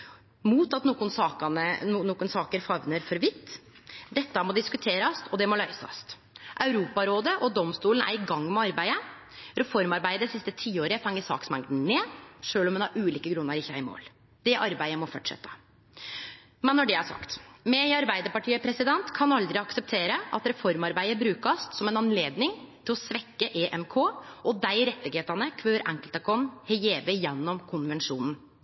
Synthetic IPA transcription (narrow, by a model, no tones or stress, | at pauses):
muːt̪ɑt̪nuːkʊnsɑːɑnənoːkʊnsɑːkəɾfɑʋnəɾfɔɾʋɪt̪ː | d̪ɛt̪ːɑmɔd̪ɪskʉt̪ʰeːɾɑst̪ʰɔd̪ɛmɔlœʏsɑ̰st̪ | ʔɑʉɾuːpɑɾoːd̪əʔɔd̪ɔmst̪uːlənæ̰ɾɪɡɑŋːmɛɑɾbæɪə | ɾɛfɔɾmɑɾbæɪəd̪ɛsɪst̪ət̪ʰiːoːɾəfɛŋːəsɑ̰ːksmɛŋd̪n̩nɛːʂøːlɔmɛnhɑɾʔʉːliːkəɡɾʉnːəɾɪçːəæɪmo̰ːl | d̪̥ɛʔɑɾbæɪəmɔfɔʈʂɛ̰t̪ːə̥ | mɛnːɔɖɛæʂɑ̰kt̪mɛɪɑɾbæɪd̪əɾpɑʈʰiːəpʰɾɛsɪd̪ɛnt̪kʰɑnɑld̪ɾɪɑksɛp̚t̪ʰeːɾəʔɑ̰t̪ɾɛfɔɾmɑɾbæɪəbɾʉːkɑst̪sɔmɛnɑnleːd̪nɪŋt̪ʰɪlɔsʋɛkːəʔeːʔɛmkʰoːʔɔd̪æɪɾɛt̪ːɪɡheːt̪ənəkʰʋøːəɾʔæŋkəlt̪əkʰɔnhɛɪeːbəjɛnːɔmkʰʊnʋɛnʂuːnn̩